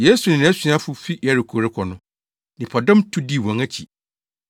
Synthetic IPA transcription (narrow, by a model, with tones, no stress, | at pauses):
je˦su˨nɪ̃˨nɪ̃˨˦si˨˦a˦fʊ˦fi˦jɛ˨ɾɪ˨kʰo˨ɾɪ˦kʰɔ˨nʊ̃˦ | nɪ̃˨pʰɔ˨dɔ̃˦mtʰu˦di˦˨wɔ̃˨ŋa˦t͡ɕʰḭ˨